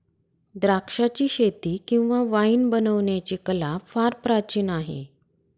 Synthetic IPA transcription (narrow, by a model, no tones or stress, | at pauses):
d̪ɾakʂat͡ɕiːɕet̪iːkĩw̃ʋaʋainbənəʋɳjat͡ɕiːkəlafaɾpɾat͡ɕiːnaɦḛ